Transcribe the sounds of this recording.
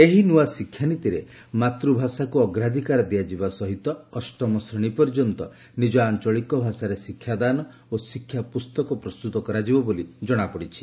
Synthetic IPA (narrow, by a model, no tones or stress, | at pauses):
eɦinuwasikʰːjanit̪iɾe | mat̪ɾubʱasakuɔɡɾad̪ʱikaɾɔd̪iad͡ʒibasɔɦit̪ɔːsʈɾɔmɔsɾɔɽ̃ipɔɾd͡ʒɔnt̪ɔ | nid͡ʒɔant͡ʃɔɭikɔbʱasaɾesikʰːjad̪anɔ | osikʰːjapust̪ɔkɔpɾɔst̪ut̪ɔkɔɾad͡ʒibɔbolid͡ʒɔɽ̃apɔɽit͡ʃʰi̥